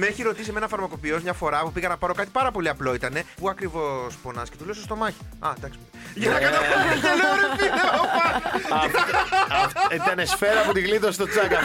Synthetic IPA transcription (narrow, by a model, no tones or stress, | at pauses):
meeçiɾo̞t̪iseme̞nɐfɐɾmɐko̞pio̞zmɲɐfo̞ɾɐpupiɣɐnɐpɐɾo̞kɐt̪i̥pɐɾɐpo̞liɐplo̞it̪ɐne̞puɐkɾivo̞spo̞nɐsce̞t̪ulesost̪o̞mɐçi̥ɐt̪ɐksip | ʝenɐkɐɐʝenoɾefieopɐ | iɐnesfeɾɐːpot̪iɣlit̪ost̪o̞t͡sɐɡɐ